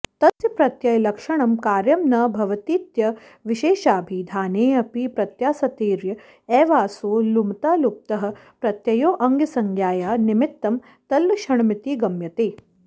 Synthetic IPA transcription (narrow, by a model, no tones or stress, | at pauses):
t̪ɐsjɐpɾɐt̪jɐjlɐkʂɐɳɐmkaːɾjɐmnɐbʱɐʋɐt̪iːt̪jɐ | ʋiʃeːʃaːbʱid̪ʱaːneːɐpipɾɐt̪jaːsɐt̪eːɾjɐ | ɛːʋaːsoːlumt̪aːlup̚t̪ɐɦɐ̆pɾɐt̪jɐjoːʔɐŋɡɐsɐŋɡʱjaːjaːnimɪt̪ːɐm | t̪ɐlʋɐʃɐɳɐmit̪iːɡɐmjɐt̪eː